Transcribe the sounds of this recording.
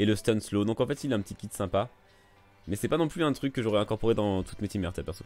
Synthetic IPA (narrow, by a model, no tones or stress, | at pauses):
eləst̪ɔnslod̪ɔ̃kɑ̃fɛt̪ilɛɛ̃pət̪ikʲid̪sɛ̃pa | mɛsɛpanɔ̃plyɛ̃t̪χykːəʒɔʁɛɛ̃kɔʁpoʁed̪ɑ̃t̪u̥t̪met̪imɛʁt̪yapɛʁswɔ